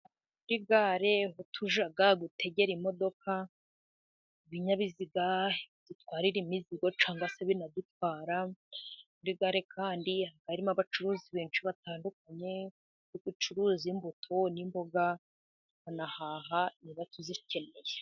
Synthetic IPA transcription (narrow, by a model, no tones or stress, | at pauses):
kuɾiɡaɾe̞hotʰuʒaɡaɡute̞ɟe̞ɾimo̞do̞ka | βiɲaβiziɡad̥utwaːɾiɾimiziɡo̞t͡ʃaːŋɡaseβinad̪utwaːɾa | kuɾiɡaɾe̞kʰaːndihaɡ̥aɾimaβat͡ʃuɾuːziβeːnʃiβataːndukaɲe̞ | jiɡut͡ʃuɾuːzimbutʰonimbo̞ɡa | βanahaːɦaniβatuzice̞ne̞je